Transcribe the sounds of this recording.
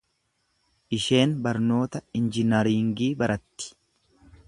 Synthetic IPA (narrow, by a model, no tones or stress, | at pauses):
ʔɪʃe̞ːnbɐɾno̞ːt̪ɐɪnd͡ʒɪnɐɾiːŋɡiːbɐɾɐt̪ːɪ̥